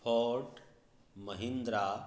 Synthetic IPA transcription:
pʰɔʈ | məɦind̪ɾa

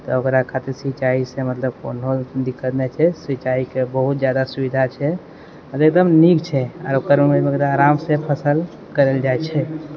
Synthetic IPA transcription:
t̪ɔokɾakʰat̪esit͡ʃaisemət̪ləb̚ko̰ːnod̪ikːət̪nɛt͡ʃʰɛsʋit͡ʃaikebəɦut̪̚d͡ʒjad̪asubid̪ʱat͡ʃʰɛ | əɾek̚d̪əmnikt͡ʃʰɛɔ̰ːɾokəɾumeekd̪aaːɾamsepʰəsəl | kəɾəld͡ʒaɛt͡ʃʰɛ

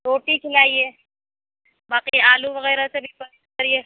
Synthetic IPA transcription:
ɾoːʈikʰɪlaːieː | baːqiaːluʋɐɣɛːɾasebʱipɐɾit̪kɐɾie

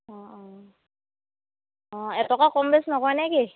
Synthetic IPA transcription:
ɔɔ̃ | ɔ̃ɛtɔkakɔmbɛsnɔkɔɹnajki

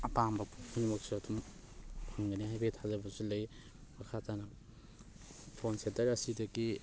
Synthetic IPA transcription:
apambɐhʰunimɔksatʰum | pʰaŋɡaniɦajbetʰazabɐsulɐj | makʰatʰana | pʰonsentɐɾɐsidɐki

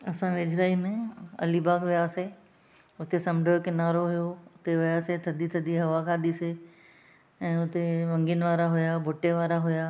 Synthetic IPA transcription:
ɐsãʋɪd͡ʒɾaːimẽɐ̰libaːkʋɪjaːse | ʊt̪esɐmɖʱokɪnaːɾoɦʊjoʊt̪eʋɪjaːset̪ʰɐd̪it̪ʰɐd̪iɦɐʋakʰãːd̪isɪ | ɛ̃ːʊt̪eʋɐ̃ŋɡɪnɪ̆ʋaːɾaɦʊjabʱʊʈeʋaːɾaɦʊjaː

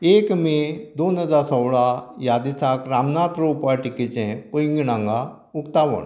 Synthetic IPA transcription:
ekmed̪onɦəd͡zasɔwɭajad̪isakɾamnat̪ɾəupaʈikit͡sɛ̃pəjŋɡiɽãŋɡa | ukt̪aʋə̰ɳ

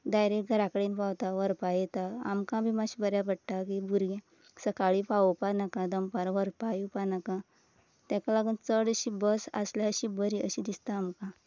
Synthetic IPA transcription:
d̪ajɾeɡʱəɾakəɽenpawt̪aʋəɾpajet̪aa̰mkãbimaɕibəɾjapəɽʈ̪akibuɾɡẽ | səkaɭipaupanakãd̪əmpaɾʋəɾpajupanakã | t̪ãkalaɡuːnt͡səɽəɕibəsa̰slaəɕibəɾiə̰ɕid̪ist̪aːmkã

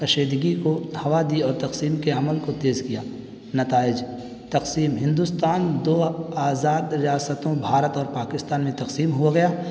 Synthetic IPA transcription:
kɐʃeːd̪ɡikohɐʋad̪iɔːɾt̪ɐqsiːmkeɐməlkot̪eːzkijaː | nɐt̪aːɪd͡ʒ | t̪ɐqsiːmɦɪ̃nd̪ust̪aːnd̪oːaːzaːd̪ɾɪjaːsət̪õbʱaːɾət̪ɔːɾpaːkɪst̪aːnmẽt̪ɐqsiːmɦuaɡɐjaː

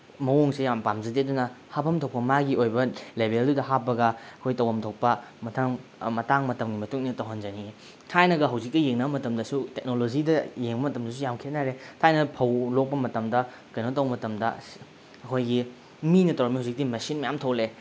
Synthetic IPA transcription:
mɐwoŋsejampamzɐdedunɐhapʰɐmtʰokpɐmaɡiojbɐlebʱeldudɐɦapːɐɡɐɐkʰojtɐwhɐmtʰok̚pɐmɐtʰaŋmɐtaŋmɐtɐmɡimɐtuŋnitɐwɦɐnd͡ʒɐni | tʰajnɐɡɐɦɐwzikːɐjeŋnɐbɐmɐtɐmdɐsutek̚nolod͡ʒidɐjeŋbɐmɐtɐmdɐs̬ujamkʰienaɾetʰajnɐpʰɐwlok̚pɐmɐtɐmdɐ | kɐjnotɐwmɐtɐmdɐ̰ | ɐkʰojɡi | minɐtɐwɾɐmiɦawzik̚timɐsinmɐjamtʰɐwle

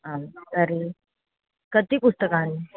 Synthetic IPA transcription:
ɦamkəɾi | kət̪iːpust̪əkãni

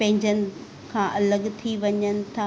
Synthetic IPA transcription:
pɐ̃ɦɪ̃ɲd͡ʑənɪ̆ | kʰãːʔɐləɠt̪ʰiʋɐɲənɪ̆t̪ʰa

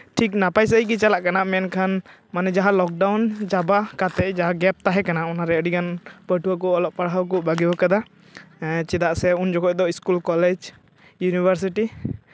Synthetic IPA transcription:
ʈʰik̚napajs̬əikit͡ʃalaʔkanaʔmɛnkʰan | manɛd͡ʒaɦalɔk̚ɖawnd͡ʒabakat̪ɛʔd͡ʒaɦaɡɛp̚t̪aɦɛkanaɔnaɾɛəɽikanpəʈuak̬ɔʔɔlɔʔpaɽɦawkɔʔbaɡɛbɔkad̪a | t͡ʃɛd̪aʔsɛund͡ʒɔkɔʔ̚d̪ɔiskulkɔlɛd͡ʒ | junibʱəɾs̬iʈi

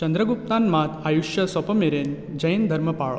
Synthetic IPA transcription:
t͡ɕənd̪ɾəɡup̚t̪anmat̪ʰajuʃjɐsɔpəmeɾen | d͡ʑɐjnd̪ʱəɾməpaɭo

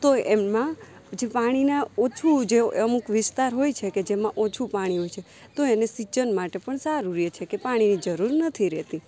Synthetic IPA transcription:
t̪oemmã | d͡ʒepaɽ̃inaot͡ʃʰud͡ʒeəmukʋɪst̪aɾɦojt͡ʃʰeked͡ʒemãʔot͡ʃʰupaɽ̃iɦojt͡ʃʰe | t̪oenesit͡ʃənmaʈepəɳsaɾuɾiet͡ʃʰekepaɽ̃inid͡ʒəɾuɾnət̪ʰiɾɛt̪i

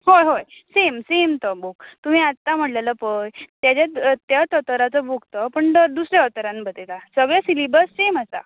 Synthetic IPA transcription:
hojɦojsemsemt̪əboɡt̪um̤ĩːat̪ːam̤əʈlaləpəjt̪jat͡ɕat̪jat̪ət̪əɾat͡səbʱuɡʱt̪əpəɳt̪əd̪usɾjeət̪əɾãnbət̪et̪asəɡɭesilibəɾsemasa̰

